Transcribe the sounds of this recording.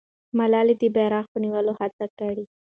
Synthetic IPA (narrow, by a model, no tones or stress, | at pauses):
malɑlid̪əbaɾɑxpəniwəlohat͡sakəɽi